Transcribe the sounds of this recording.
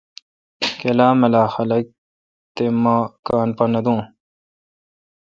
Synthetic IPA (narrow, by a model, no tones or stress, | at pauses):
kelaːmɐlaːxɐlɐk̚ | t̪emakaːnpɐnɐd̪ũː